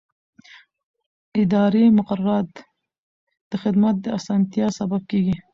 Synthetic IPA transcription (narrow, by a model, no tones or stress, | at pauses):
ɪd̪ɑɾemʊqaɾaɾɑt̪ | d̪̥əxɪd̪mat̪̚d̪əasɑnt̪jɑsabab̚keɡi